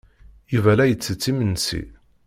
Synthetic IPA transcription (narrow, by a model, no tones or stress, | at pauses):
juvælæjət͡sːət͡sːimənsḭ